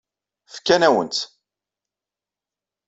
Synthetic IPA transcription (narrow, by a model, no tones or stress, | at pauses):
θə̥kːænæwə̰nt̪